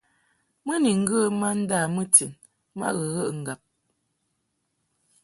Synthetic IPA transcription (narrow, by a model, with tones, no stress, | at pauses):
mə˦ni˨ŋ̩˦ɡə˦ma˦n̩˦da˦˨mə˦ti˨n | ma̰˦ɣə˨ɣə˦ʔŋ̩˨ɡa˨p̚